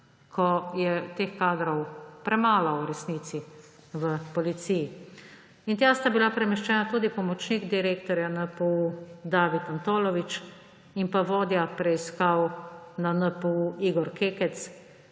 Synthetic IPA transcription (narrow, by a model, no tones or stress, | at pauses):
kʰɔjɛt̪eːxkaːd̪ɾɔwpɾɛmaːlɔwɾɛsniːt̪si | ʋəpɔlit̪siːji | int̪jaːst̪abilapɾɛmɛʃt͡ʃɛːnat̪uːd̪ipɔmɔt͡ʃniɡd̪iɾeːkt̪ɔɾjanəpəud̪aːʋit̪ant̪oːlɔʋit͡ʃ | inpaʋoːd̪japɾɛiskawnanəpəuʔiːɡɔɾkeːkɛt̪s